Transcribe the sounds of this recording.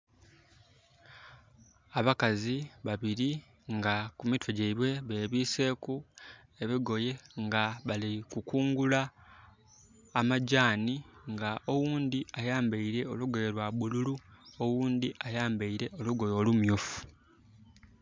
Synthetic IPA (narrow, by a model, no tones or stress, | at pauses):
aβakaziβaβiɾi | ŋɡakumitweɟeiβwe̞βe̞ːβiːse̞ːku | e̞βiɡo̞je̞ŋɡaβalikukuːŋɡula | maɟaːniŋɡaʔo̞wuːnd̪iajaːmbeiɾe̞o̞luɡe̞eɾwaβululuowuːnd̪iʔajaːmbeiɾe̞o̞luɡo̞jo̞ːlumjofu̥